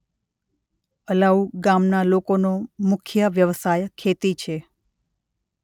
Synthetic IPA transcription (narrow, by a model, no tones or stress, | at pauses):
əlauɡamnalokonomʊkʰjəʋjəʋsajkʰet̪it͡ʃʰe